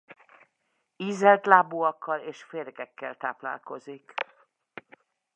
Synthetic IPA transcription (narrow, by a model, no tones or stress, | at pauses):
iːzɛlt̪laːbuɒkːɒleːʃfeːrɡɛkːɛlt̪a̰ːpla̰ːlko̞zik